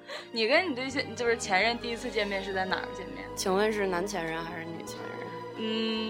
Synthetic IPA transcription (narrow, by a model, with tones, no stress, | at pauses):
ni˨˩kə˥nni˨˩t̪ə˥˧i˥˩ɕ̬jɛ˥˩˨t͡ɕjo˥˧ʊʂɻ̩˥˩t͡ɕʰjɛ˧˥nɻə˥˧nt̪i˥˩i˥t͡sʰɹ̩˥˧t͡ɕjɛ˥˧nmjɛ˥˧nʂɻ̩˥˧t͡sa˥˩ɪna̰˨˩ɡə˦t͡ɕjɛ˥˧nmjɛ̰˥˩nt͡ɕʰi˧˥ŋwə˥˧nʂ̬ɻ̩˥˩na˧˥nt͡ɕʰjɛ˧˥nɻə˧nxa˧˥ɪʂɻ̩˥˩ny̰˨˩t͡ɕʰjɛ̰˧˥nɻə̰˧˥˩n | n̩˥˩